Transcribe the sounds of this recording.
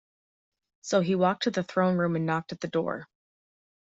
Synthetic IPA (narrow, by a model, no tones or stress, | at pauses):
soʊiwɔk̚tʰɨðɨθɹõʊ̃nɹʉ̃mɨ̃nːɑk̚tɨt̪̚ðɨdɔ̰ɹ